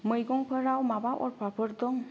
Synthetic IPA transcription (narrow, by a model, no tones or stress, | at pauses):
mɯjɡɔŋpʰəɾawmabaʔɔɾpapʰɯɾd̪ɔŋ